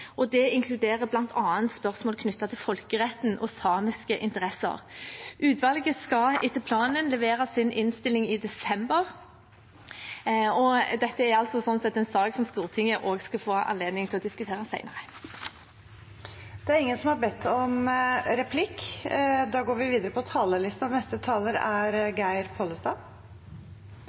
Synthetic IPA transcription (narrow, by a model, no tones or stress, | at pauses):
ʔɔd̪ɛɪŋkʰlʉd̪eːʁəblɑnt̪ʰɑːənt̪spœʁsmoːlkʰnʉt̪ːɑt̪ʰɪlfɔlkəʁɛt̪ːn̩ʔɔ̰sɑːmɪskəʔɪnt̪əʁɛsə̰ʁʔʉːt̪ʰʋɑlɡəskɑɪt̪ːəlpʰlɑːnənlɛʋeːʁɑsɪnʔɪnst̪ɪlːɪŋɪd̪ɛsɛmbəʁ | ɔd̪ɛt̪ːəæɾɑlt̪sɔsɔnsɛt̪ːɛnsɑːksɔmst̪uːʁt̪ʰɪŋəʔoːɡskɑfoːʔɑ̰nleːd̪nɪŋt̪ɪlɔd̪ɪskʉt̪ʰeːʁəsæɪnəʁə | d̪̥ɛæɾɪŋːənsɔmhɑɾbɛt̪ʰːɔmɾɛpʰlɪkː | d̪ɑːɡoːɾʋɪʋiːd̪əɾəpɔt̪ʰɑːləlɪst̪nɑʋnɛst̪ət̪ʰɑːləɾæɾɡæɪɾpʰoːləst̪ɑː